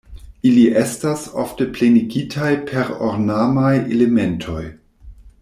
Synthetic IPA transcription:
iliʔestaso̰ftepleniɡitʰajpʰeɾoɾnamajḛlementʰo̞j

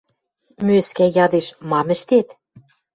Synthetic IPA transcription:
møskæjɑd̪eʃmɑmɘ̆ʃt̪et̪

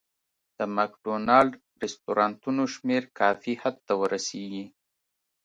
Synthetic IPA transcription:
d̪̥əmakɖonɑlɖ | ɾɪst̪oɾɑnt̪unoʃmeɾkɑfihad̪̚t̪awəɾʔaseɡi

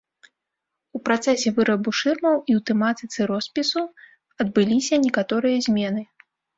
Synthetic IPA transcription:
upɾat̪sɛsʲɛvɨɾɐbuʂɨrmɐwiwt̪ɛmat̪ɨt̪sɛɾɔspʲisu | ɐd̪̚bɨlʲisʲɐnʲɛkat̪ɔɾɨjɐzʲmʲɛnɨ

